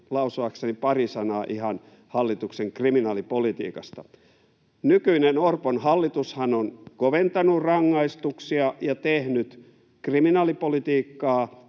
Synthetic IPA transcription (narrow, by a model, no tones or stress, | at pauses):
lɑusoɑksenipɑrisɑnɑːʔihɑn | hɑlːit̪ukseŋkriminɑːlipolit̪ḭːkɑst̪ɑ | nykyinenorponhɑlːit̪ushɑnonkoʋent̪ɑnurrɑŋːɑist̪uksiɑjɑt̪ehnyt̪ | kriminɑːlipolit̪iːkːɑː